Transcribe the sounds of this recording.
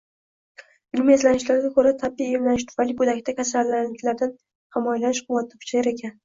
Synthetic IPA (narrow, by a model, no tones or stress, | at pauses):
ɪlmezlanɪʃlaɾɡʲakʰɵɾat̪ʰabːiemlanɪʃ̬t̪ʰʊ̥fajlibɵd̪akʲt̪akʲʰasalːalːɪkʲlaɾd̪an | hɪmɒjalanɪʃqʊwat̪̚ʰːakʰʊ̥t͡ʃʰajaɾe̞kʲʰan